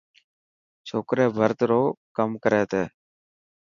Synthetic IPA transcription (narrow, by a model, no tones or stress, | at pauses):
t͡ʃʰoːkɾeːbʱəɾt̪ɾoːkəmkəɾeːt̪eː